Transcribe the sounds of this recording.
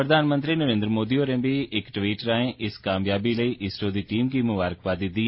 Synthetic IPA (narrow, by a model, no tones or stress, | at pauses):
ɾəd̪ʱaːnmə̃nt̪ɾiːnəɾẽːnd̪ɾəmoːd̪ioːɾẽːbiʔɪkʈʋiːʈɾãːẽʔɪskaːmjaːbiləiːʔɪsʈoːd̪iːʈiːmkiːmʊʋaːɾəkʋaːd̪ɪt̪ːiː